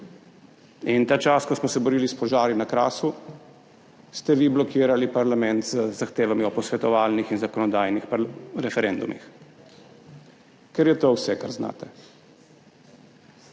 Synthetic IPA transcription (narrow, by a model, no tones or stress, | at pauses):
int̪aːt͡ʃaːskɔsmɔsɛbɔɾiːlispɔʒaːɾinakɾa̰ːsu | st̪ɛʋiblɔkʰiːɾalipaɾlamɛnt̪zəzaxt̪eːʋamiɔpɔsʋɛt̪ɔʋaːlnixinzakɔnɔd̪aːjnixpɾɛfɛɾɛnd̪umḭx | kɛɾjɛt̪owsɛkaɾzna̰ːt̪ɛ